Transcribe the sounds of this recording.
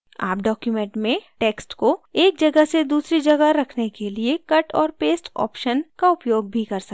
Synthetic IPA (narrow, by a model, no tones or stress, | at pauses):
a̰ːpɖɔːkjumɛ̃ɳʈmẽʈeːksʈkoeːk̚d͡ʒɐɡəɦsed̪uːsɾid͡ʒɐɡəɾɐkʰnekeliekɐʈɔːɾpeːsʈɔ̰ːpʃənkaʊpjoːɡ̚bʱikɐɾsɐ